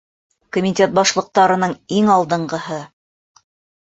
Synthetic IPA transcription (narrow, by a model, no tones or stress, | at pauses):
komʲit̪ʲet̪̚bɑʃlˠɤ̆q̚t̪ɑɾɤ̆nɤɴiŋɑlˠd̪ɤ̆ɴɢɤ̆hɤ